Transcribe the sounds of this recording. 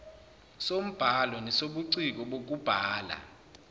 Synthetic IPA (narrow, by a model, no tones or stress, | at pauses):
som̩b̥ʱalɔnɛsoɓuǀik̬ɔɓok̬ʼub̥ʱaːla̰